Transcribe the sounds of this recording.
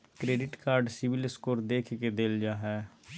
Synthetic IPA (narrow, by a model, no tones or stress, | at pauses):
kɾeːɖɪʈkaːɾɖsɪʋɪlskoːɾd̪eːkʰked̪eːld͡ʒaːɦɛː